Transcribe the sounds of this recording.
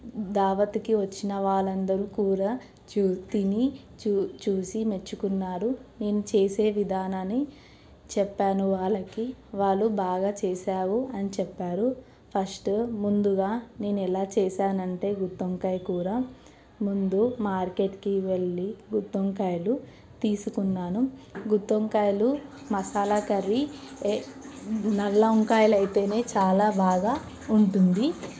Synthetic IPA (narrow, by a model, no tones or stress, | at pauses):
d̪aːʋɐt̪ikiʋɐt͡ʃːinɐʋaːɭːɐnd̪ɐɾukuːɾaː | t͡ʃut̪ini | t͡ʃuːsime̞t͡ʃːukunːaːɾune̞ːnut͡ʃeːseːʋid̪ʱaːnani | t͡ʃɛpːaːnuʋaːɭɐkiʋaːɭːubaːɡaːt͡ʃɛːsaːʋuɐnit͡ʃɛpːaːɾu | pʰɐsʈmund̪uɡaːne̞ːnuɛlaːt͡ʃɛːsaːnɐɳʈe̞ːɡut̪ːoŋkɐjkuːɾaː | mund̪umaːɾke̞ʈkiʋe̞ɭːiɡut̪ːoŋkaːjlu | t̪iːsukunːaːnuɡut̪ːoŋkajlumɐsaːlakɐɾi | nɐlːɐoŋkaːjlɐjt̪e̞ːne̞ːt͡ʃaːlaːbaːɡaː | uɳʈund̪i